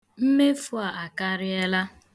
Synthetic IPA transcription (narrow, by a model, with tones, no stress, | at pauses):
m̩˦me˦fu˦a˨ʔa˨ka˦ɾɪ˦ɛ˦la˦